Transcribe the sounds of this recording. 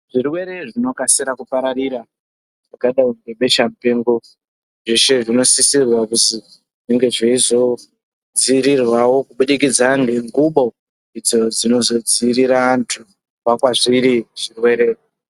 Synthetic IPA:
ʐ̥irwe̞ɾe̞ʐino̞kasiɾakupaɾariɾa | ʐakaɗauŋɡe̞ɓe̞ʃamupe̞ːŋɡo | ʐeʃe̞ʐino̞sisirwakuti | ʐiŋɡe̞ʐeizo̞ | d͡ziɾirwawo̞kuɓuɗikid͡zaŋɡe̞ŋɡuɓo̞ | id͡zo̞d͡zino̞zo̞d͡ziɾiɾaːntʰu | wakwaʐiɾiʐ̥irwe̞ɾe̞

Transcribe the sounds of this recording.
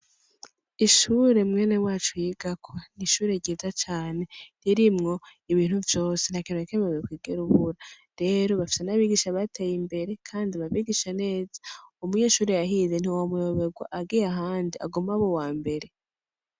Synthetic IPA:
iʃuɾe̞mŋe̞ːne̞waːt͡ʃujiːɡakʰoniʃuːɾe̞ɾɟiːzat͡ʃaːne̞ɾiɾimŋo̞iβiːn̥huvjo̞ːse̞n̥akinokemewekwiːɡeɾuβuɾa | ɾe̞ːɾo̞βafi̥senaβiɡiʃaβatʰejimbe̞ɾe̞kʰaːndiβaβiɡiʃane̞ːzḁumuɲe̞ʃuːɾe̞jaɦiːzen̥iwomujoβeɡwa̰ʔaɡijaɦaːndia̰ɡomaβo̞waːmbe̞ɾe̞

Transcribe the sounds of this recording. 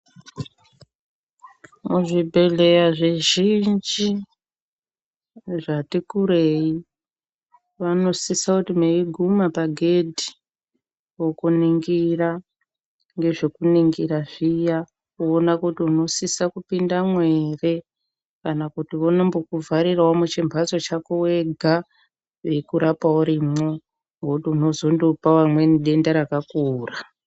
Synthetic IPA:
muʐibʱe̞le̞jaʐeʒind͡ʒi | ʐatikuɾe̞i | ʋano̞sisakutimeiɡʱumapaɡʱe̞dʱi̥ | wo̞kuniŋɡira | ŋɡe̞ʐe̞kuniŋɡiraʐija | kuonakutiuno̞sisakupindamwe̞re̞ | kanakutiʋonembokuvʱaɾirwamut͡ʃimbʱat͡so̞t͡ʃakuwe̞ɡʱa | ʋe̞kuɾapauɾimo | ŋɡokutiuno̞zo̞ndopawamwe̞niɗe̞ndaɾakakuːra

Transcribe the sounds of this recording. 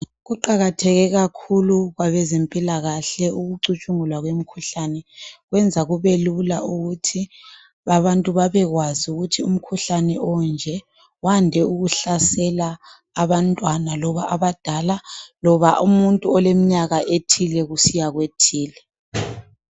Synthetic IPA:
ɣuǃaɣatʰɛɣɛɣakʰuluɣwaβɛzempʼilaɣaɬɛuɣuǀut͡ʃʼuŋulwaɣwem̩kʰuɬanɛɣwɛnd͡zʱaɣuβelulaʔuɣutʰi | aβantʼuβaβɛɣwazuɣutʰium̩kʰuɬanɛʔɔnd͡ʒʱɛ | wandʱɛuɣuɬasɛlaː | βantʼwanalɔβaʔaβad̥ʱalalɔβaʔumuntʼuɔlemiɲaɣaʔetʰilɛɣusijaɣwetʰiːlɛ

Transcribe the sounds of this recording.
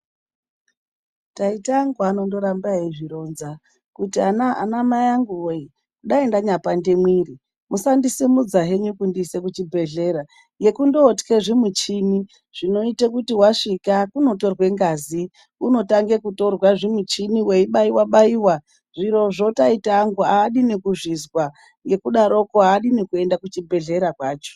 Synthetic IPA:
taitaŋɡuano̞ndo̞ɾambaiʐiɾo̞nza | kutianaa̰namajaŋɡuwei | ɗaendaɲapandemwiːri | musandisimud͡zaɦe̞ɲukundise̞k̬ut͡ʃibʱe̞ɮe̞ɾa | je̞kundo̞tke̞ʐimut͡ʃimi | ʐ̥ino̞itekutiwaʂikakuno̞to̞rwe̞ŋɡazi | uno̞taŋɡe̞kuto̞rwaʐimut͡ʃiniwe̞iɓaiwaɓaiwa | ʐ̥iɾo̞ʐo̞taitaːŋɡuaːɗinekuʐizwa | ŋɡe̞kuɗaɾo̞koaːɗinekue̞ndakut͡ʃibʱe̞ɮe̞ɾakwaːt͡ʃo̥

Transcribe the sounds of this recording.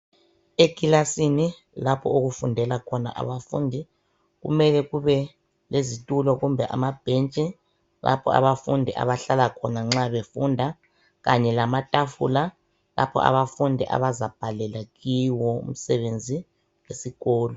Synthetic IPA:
eɡ̥ʱilasini | lapʰɔoɣufundʱɛlakʰɔna̰ʔa̰βafṵndʱi | ɣṵmɛlɛɣuβɛ | lezitʼulɔɣumbʱɛʔa̰mab̥ʱɛnt͡ʃʼɛ | la̰pʰɔ̰a̰βafundʱiʔa̰βaɬalakʰɔnaŋ͡ǁaβefundʱa | ɣaɲɛlamatʼafṵla | la̰pʰɔ̰a̰βafundʱiʔa̰βazab̥ʱalɛlaɣiwɔṵm̩sɛβend͡zʱi | wesiɣɔːlɔ

